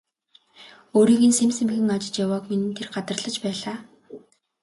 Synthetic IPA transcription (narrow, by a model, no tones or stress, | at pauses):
oːɾiːɣɘ̆nsemsĕmxɘ̆ŋɔt͡ɕɪ̥̆t͡ɕjawɔːkminɘ̆nt̪ʰerɢat̪ə̆rɮə̆t͡ɕpæːɮaː